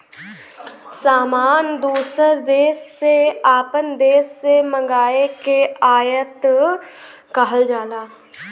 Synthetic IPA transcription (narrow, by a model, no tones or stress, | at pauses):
saːmaːnd̪uːsəɾd̪eːʃːeaːpənd̪eːʃːemə̃ŋɡaːekeaːjət̪ | kəɦəld͡ʒaːlaː